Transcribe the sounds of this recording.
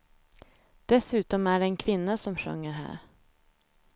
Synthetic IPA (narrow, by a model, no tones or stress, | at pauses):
d̪̥ɛsʉ̟ːt̪ɔmæɖɛɛnkʰvɪnːasɔmɧɵ̰ŋːəɾɦæ̰ːɾ